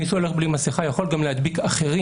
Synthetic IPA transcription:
isuole̞χblimasiχajaχo̞lɡamlehad̪bikaχeʁi

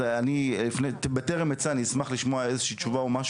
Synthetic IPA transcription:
anilifnebeteʁemet͡sanismaχliʃmoaezeʃiːt͡ʃuvaumaʃ

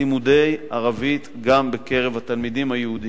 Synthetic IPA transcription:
imud̪e̞jʔaʁavit̪ɡambe̞ke̞ʁe̞vhat̪almid̪imhajehudi

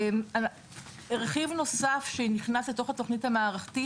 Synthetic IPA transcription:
ma | eʁeχivno̞safʃeniχnasleto̞χato̞χnithamaːʁaχti

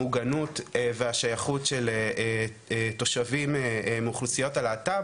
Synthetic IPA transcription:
uɡanutveaʃajaχutʃelee | to̞ʃavimemuχlusijo̞talaːta

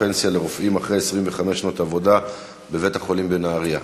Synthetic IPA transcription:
ensjale̞ʁofʔimaχʁejesʁimveχame̞ʃnotavo̞da | beve̞thaχo̞limbe̞naːʁia

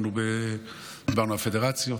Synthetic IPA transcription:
nube | d̪ibaʁnuafed̪eʁat͡sjo

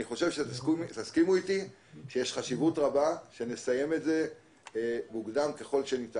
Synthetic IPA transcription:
niχo̞ʃe̞vʃektaskimuiti | ʃejeʃχaʃivutʁabaʃe̞ne̞saje̞metze̞ | buɡdamke̞χo̞lʃenit

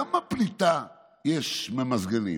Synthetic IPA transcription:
ɐmɐpɾit̪a | eʃmɐmɐzɣɐlḭ

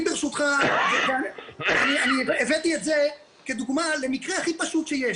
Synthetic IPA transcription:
beʁʃut̪χavevananianievet̪iet̪ze | ked̪uɡmalemikʁeaχipaʃut̪ʃeje

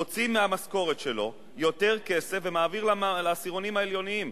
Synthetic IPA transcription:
ot͡simːeamasko̞ʁe̞t̪ʃe̞lo̞̰ | jo̞t̪e̞ʁke̞se̞fvemaːviʁlalasiʁo̞nimaeljo̞niim

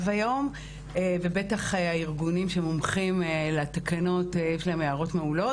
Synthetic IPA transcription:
vajo̞m | evebe̞taχaiʁɡunimʃeemomχimelat̪akano̞tejeʃlaemjeaʁo̞tmeulo

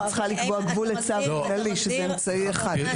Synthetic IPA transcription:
t͡sχalikboaɡvulet͡savlaliʃezɛemt͡saieχad̥

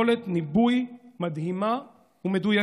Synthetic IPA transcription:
olet̪nibujmad̪hima | umeduja

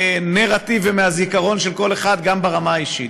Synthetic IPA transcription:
neʁat̪ivemeazikaʁo̞nʃelko̞leχad̪ɡambeʁamaaiʃḭt

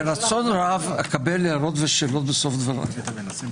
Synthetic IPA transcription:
ɾat͡so̞nɾavekabelːeaɾo̞t̪veʃeːlo̞t̪beso̞fd̪vaɾa̰n

